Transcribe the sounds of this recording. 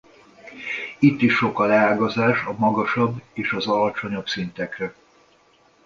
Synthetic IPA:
it̪ːiʃːo̞kɒlɛaːlɡɒzaːʃɒmɒɡɒʃɒbːeːʃɒzɒlɒt͡ʃo̞ɲobsint̪ɛkrɛ

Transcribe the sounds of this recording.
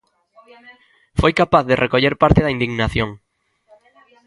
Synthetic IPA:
fojkapaθðerʔekoʎeɾpaɾt̪eðaind̪iɣnaθjoŋ

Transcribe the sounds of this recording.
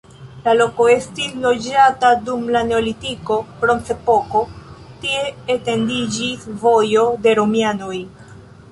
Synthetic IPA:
lalo̞ko̞e̞stislo̞d͡ʒatadumlane̞o̞litiko̞pɾo̞nse̞po̞ko̞ | tie̞ːte̞ndid͡ʒisvo̞jo̞de̞ɾo̞miano̞j

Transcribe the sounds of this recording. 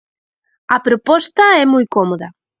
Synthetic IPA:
ɐpɾopɔst̪ɐɛmujkɔmoðɐ

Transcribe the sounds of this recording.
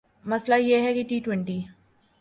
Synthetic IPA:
mɐslajeɦɛkiʈiːʈwɛ̃ɳʈiː

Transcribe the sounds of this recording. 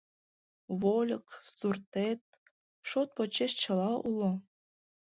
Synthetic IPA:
βolʲəksurt̪et̪̚ | ʃot̪̚pot͡ɕeʃt͡ɕɤ̆lɑʔulˠo

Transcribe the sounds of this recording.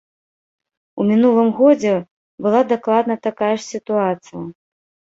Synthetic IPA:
umʲinulˠɨmɣɔd͡zʲɛ | bɨlˠad̪aklˠad̪nɐt̪akajɐʂsʲit̪uat̪sɨjɐ

